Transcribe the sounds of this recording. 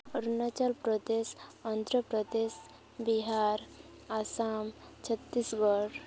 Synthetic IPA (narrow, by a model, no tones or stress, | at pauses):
ɔɾnat͡ʃəlpɾɔd̪esɔnt̪ɾəpɾəd̪es | biɦaɾ | asamt͡ʃʰət̪ːisɡɔɾ